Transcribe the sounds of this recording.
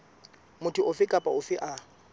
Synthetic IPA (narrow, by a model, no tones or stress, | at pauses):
mʊtʰʊʔʊfɪkʼapʼaʊfɪʔa